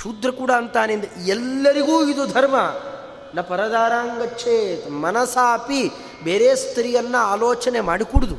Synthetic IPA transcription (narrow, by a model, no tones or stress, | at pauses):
ʃud̪ɾɐkuːɽaɐnt̪aːnend̪ɐɛlːɐɾiɡuːid̪ud̪ʱɐɾmɐ | nɐpɐɾɐd̪aːɾaːŋɡɐtːʃʰeːt̪mɐnɐsaːpi | beːɾeːst̪ʰɾijɐnːɐaːloːt͡ʃɐnemaːɽikuːɽud̪u